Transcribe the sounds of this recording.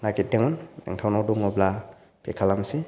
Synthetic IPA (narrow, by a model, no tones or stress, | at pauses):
naɡit̚dɛŋɔna̰ŋtʰawnɔduŋɔbla | pʰɛkʰalamsi